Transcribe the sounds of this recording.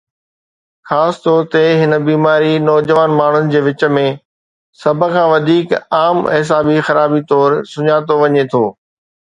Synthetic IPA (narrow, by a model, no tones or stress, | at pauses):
xaːst̪ɔːɾt̪eɦɪnə̆biːmaːɾinɔːd͡ʑəʋaːnmaːɳ̤ʊnɪ̆d͡ʑeːʋɪt͡ɕə̆mẽ | sɐbʱə̆kʰãːʋɐd̪ʱiːkaːmɦɪs̬aːbixɐɾaːbit̪ɔːɾsʊɲaːt̪oʋɐɲet̪ʰoː